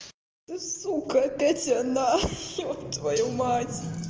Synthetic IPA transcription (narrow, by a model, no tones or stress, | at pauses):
t̪ɨsukɐkɐtʲɐna | t̪vɐjomatʲ